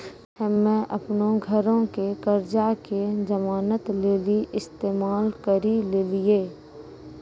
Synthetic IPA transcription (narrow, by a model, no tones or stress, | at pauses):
əmẽʔəpnõɡʱəɾõkekəɾd͡ʒakezəmaːnət̪leːliʔɪst̪eːmaːlkəɾileːlieː